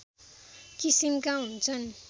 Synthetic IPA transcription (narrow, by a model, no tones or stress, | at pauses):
kisimkaɦunt͡sʰʌn